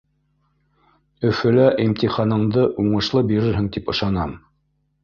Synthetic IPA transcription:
ɵ̆fɘ̆læʔimt̪iχɑnɤ̆ɴd̪ɤʔuɴɤ̆ʃlˠɤbiɾɘɾɦɘŋt̪ipɤ̆ʃɑnɑm

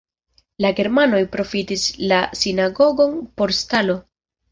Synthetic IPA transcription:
laɡe̞ɾmano̞jpɾo̞fitislasinaɡo̞ɡo̞npo̞ɾstalo̞

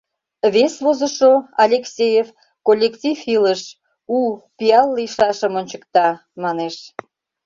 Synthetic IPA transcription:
βesβozə̆ʃoɑlʲeksʲejef | kolʲːektʲifiləʃ | upiɑlːiʃɑʃəmonʲt͡ɕəkt̪ɑ | mɑneʃ

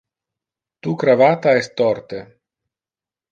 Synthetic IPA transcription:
t̪ukɾavat̪aɛst̪ːɔɾt̪e

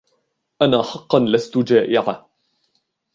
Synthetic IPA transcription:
ʔanaːħɑqːɑnlast̪ʊd͡ʒaːʔɪʕa

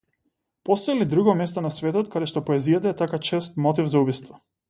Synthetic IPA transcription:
pɔst̪ɔilid̪ɾuɡɔmɛst̪ɔnasvɛt̪ɔt̪kad̪ɛʃt̪ɔpɔɛzijat̪aɛt̪akat͡ʃɛst̪mɔt̪ivzaubist̪vɔ

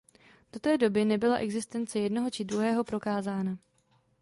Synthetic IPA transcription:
d̥o̞t̪ɛːdo̞bɪnɛbɪla̰ʔɛɡzɪst̪ɛnt͡sɛjɛdno̞ɦo̞t͡ʃɪd̪ɾuɦɛːɦo̞pɾo̞kaːzaːna

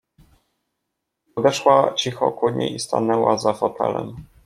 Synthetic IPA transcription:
pɔd̪ɛʂwat͡ɕixɔkuɲɛ̰ist̪a̰nɛwazafɔt̪ʰɛ̰lɛ̰m

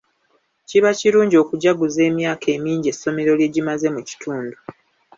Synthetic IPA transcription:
ciβaciɾuːɲɟo̞kuɟaɡuze̞ːmjaːkʰe̞ːmiːɲɟe̞sːo̞me̞ɾo̞lje̞ɟimaze̞muci̥tʰuːndu

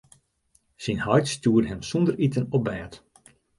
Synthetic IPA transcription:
sinhœɥtstuːdəɦɛmsɔndəritənɔbɛːt

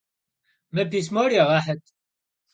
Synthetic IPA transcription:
mæbismoɾiʁɑħət̪

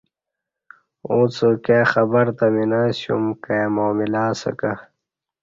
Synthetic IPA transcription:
õːt͡sokjaːxɐbɐɾt̪ɐminaːsjṵmkajamoːmilaːsɐ̰ka

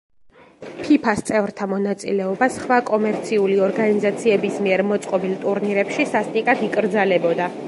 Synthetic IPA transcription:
pʰipʰast̪sʼɛvɾt̪ʰamɔnat̪sʼḭlɛɔbasχwakʼɔmɛɾt̪sʰiuliɔɾɡanizat̪sʰiɛbismiɛɾmɔt̪sʼqʼɔbilt̪ʼuɾniɾɛpʃisast̪ʼikʼat̪ʰikʼɾd̪zalɛbɔd̪a

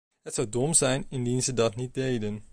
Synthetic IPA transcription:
ɦətsʌwdɔmzɛjnɪndinzədɑtnit̚dejdən

